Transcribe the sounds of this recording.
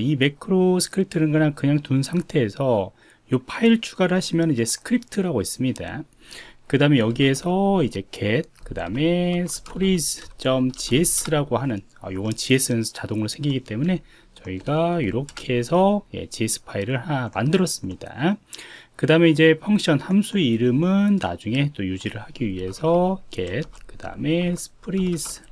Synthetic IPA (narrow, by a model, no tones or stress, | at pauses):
ime̞kʰɯɾosʰɯ̥kʰɯɾip̚tʰɯnɯnɡɯɲaŋkɯɲaŋtunsʰaŋtʰe̞ːsʰʌ | jopʰaiɭt͡ɕʰuɡaɾɯɭhaɕʰimjʌnid͡ʑe̞sʰɯ̥kʰɯɾip̚ʰtʰɯɾaɡois͈ɯmɲida̰ | kɯdame̞jʌɡie̞sʰʌid͡ʑe̞kʰed̚kɯda̰me̞sʰɯ̥pʰoɾist͡ɕ͈ʌmt͡ɕies͈ɯɾaɡohanɯn | ʌ̰joɡʌnt͡ɕie̞s͈ɯt͡ɕadoŋɯɾosʰe̞ŋɡiɡit͈e̞mune̞ | t͡ɕʌiɡaiɾokʰe̞sʰʌje̞̰t͡ɕies͈ʰɯ̥pʰaiɾɯɭhamandɯɾʌs͈ɯmɲida̰ | kɯdaɯme̞id͡ʑe̞pʰjʌŋɕ͈ʌnhamsʰuiɾɯmɯnːa̰d͡ʑuŋe̞t͈ojud͡ʑiɾɯɭhaɡiɥiɦe̞sʰʌke̞d̚kɯd̥a̰ɯme̞sʰɯ̥pʰɯɾis